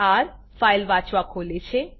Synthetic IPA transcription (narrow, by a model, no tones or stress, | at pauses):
aɾ | fajlʋãt͡ʃʋakʰoːlet͡ʃʰe